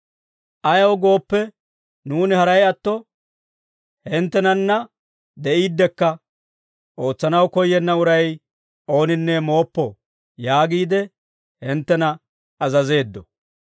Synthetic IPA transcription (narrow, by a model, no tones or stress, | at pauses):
ʔɐjɐwɡo̞ːpːɛ | nuːnɪhɐɾɐjɐt̪ːɔ | hɪnt̪ːɛnɐnːɐ | d̪ɛʔiːd̪ːɛkːɐ | ʔo̞ːt͡sːɐnɐwkɔjːɛnːɐʊɾɐj | o̞ːnɪnːɛmo̞ːpːɔ | jaːɡiːd̪ɛ | hɪnt̪ːɛnɐ | ɐzɐze̞ːd̪ːɔ